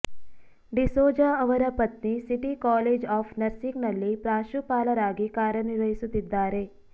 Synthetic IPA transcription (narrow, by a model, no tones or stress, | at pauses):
ɖisoːd͡ʒɐɐʋɐɾɐpɐt̪nisɪʈikɔːleːd͡ʒɔːfʰnɐɾsiknɐlːipɾaːʃupaːlɐɾaːɡikaːɾɐniɾɐisut̪ɪd̪ːaːɾeː